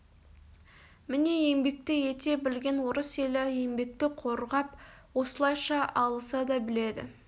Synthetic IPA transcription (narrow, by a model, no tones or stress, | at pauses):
mɪne̞je̞ŋbe̞k̚t̪ɪje̞t̪e̞bɪlɡʲe̞nwoɾəse̞lɪje̞mbe̞k̚t̪ɪqʰo̞ɾʁɑpwo̞səlˠɑjʃɑʔɑlˠəsɑd̪ɑbɪle̞d̪ɪ̰